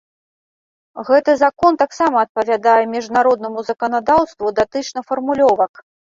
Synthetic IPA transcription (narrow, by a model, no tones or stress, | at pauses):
ɣɛt̪ɨzakɔnt̪aksamɐːt̪̚pɐvʲad̪ajɛmʲiʐnaɾɔd̪nɐmuzɐkɐnad̪awst̪vud̪at̪ɨt͡ʂnɐfɐrmulʲɔvɐk